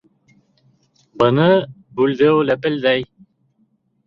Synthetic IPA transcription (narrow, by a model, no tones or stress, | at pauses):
bɤ̆nɤ | bʉld̪ɘwlæpɘ̆ld̪æj